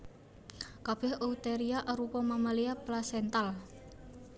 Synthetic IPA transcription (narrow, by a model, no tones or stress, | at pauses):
kab̥ɛhout̪eɾiaʔaɾupɔmamaliaplasɛnt̪al